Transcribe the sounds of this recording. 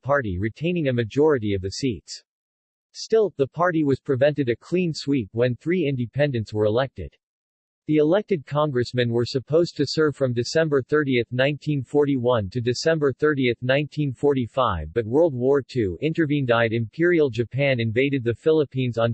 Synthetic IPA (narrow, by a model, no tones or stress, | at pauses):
pʰɑɹɾiɹitʰẽɪ̃nɪ̃ŋɨmɨd͡ʒɔɹɨɾiʌvðɨsits | stɪlˠðəpʰɑɹɾiwʌz̥pʰɹ̥ɨvɛ̃ntɨɾɨkʰl̥ĩnswip̚wɨ̃nθɹiɪ̃ndɨpʰɛ̃ndɨ̃ntswə˞əlɛk̚tɨ̰d̥ | ðiɨlɛk̚tɨd̚kʰɑ̃ŋɡɹɨsmɨ̃nwə˞sɨpʰoʊztʰɨsɜ˞v̥fɹʌ̃mdɨsɛ̃mbə˞θɜ˞ɾiɨθnãɪ̃ntʰĩnfɔɹɾiwʌ̃ntʰɨdɨsɛ̃mbə˞θɜ˞ɾiɨθnãɪ̃ntʰĩnfɔɹɾifaɪvbʌt̚wɜ˞lˠd̚wɔɹtʰʉʔɪ̃ntə˞vĩndaɪɾɨ̃mpʰɪɹil̩ˠd͡ʒɨpʰæ̃nɨ̃ɱveɪɾɨd̪̚ðɨfɪlˠəpʰĩnzn̩